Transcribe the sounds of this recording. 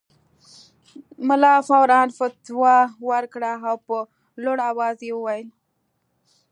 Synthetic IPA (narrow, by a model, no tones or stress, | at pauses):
mʊlɑfawɾɑnfat̪wɑwaɾkɽaawpə | loɽawɑzjewəwajəl